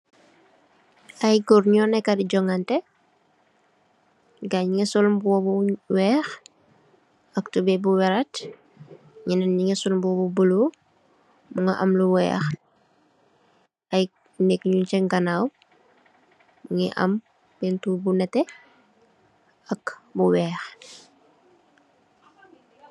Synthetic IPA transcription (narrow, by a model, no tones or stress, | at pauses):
ɐjɡɔrɲɔnɛkːadiɟɔŋantɛ | ɡaɲŋɛsɔlmbwɔbuwɛːx | ɐktubɛbuwɛɾat | ɲinɐnɲiŋɛsulmbɔbubəlo | muŋɡɐʔɐmluwɛ̰ːx | ɐj | nɛkɲunt͡ʃɛŋɡɐnaw | uŋɛʔɐ̰m | bɛntubunɛtɛ | ɐkbuwɛːx